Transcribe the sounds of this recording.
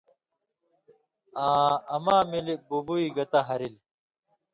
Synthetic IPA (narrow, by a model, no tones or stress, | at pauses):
aːɐmaːmilibubuiɡɐt̪aɦɐɾil